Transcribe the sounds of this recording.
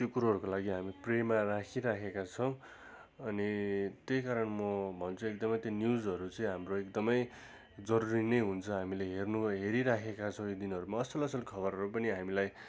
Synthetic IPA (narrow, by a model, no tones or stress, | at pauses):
tjokuɾuɦʌɾukolaɡiɦamipremarakʰiɾakʰekat͡sʰʌw̃ | ʌnit̪ejkaɾʌnmʌbʱʌnt͡sʰuek̚d̪ʌmʌjt̪jonjud͡zʌɾut͡sʌĩɦamroek̚d̪ʌmʌj | d͡zʌɾuɾinʌjɦunt͡sʰʌɦamileɦernuɦeɾiɾakʰekat͡sʰʌ̃w̃jod̪inʌɾumaʌsʌlʌsʌlkʰʌbʌɾɦʌɾupʌniɦamilaj